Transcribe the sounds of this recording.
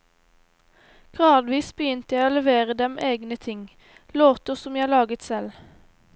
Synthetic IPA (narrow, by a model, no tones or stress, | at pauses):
ɡ̥ʁɑːd̪ʋiːsbəjʏnt̪əjæɪoːlɛʋeːʁəd̪ɛmʔeːɡnət̪ʰɪŋ | loːt̪ʊsɔmjæɪhɑlɑːɡət̪sɛl